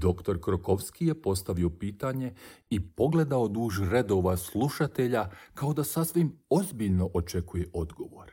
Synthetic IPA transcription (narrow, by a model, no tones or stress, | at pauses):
d̪o̞kt̪o̞ɾkɾoko̞ʋskije̞po̞st̪aʋio̞piːt̪aɲe̞ipo̞ɡle̞d̪aod̪uːʒɾe̞d̪o̞ːʋaslˠuʃat̪e̞ʎakaod̪asasʋimo̞zbiʎno̞ʔot͡ʃe̞kuje̞ʔo̞d̪ɡo̞ʋo̞̰ɾ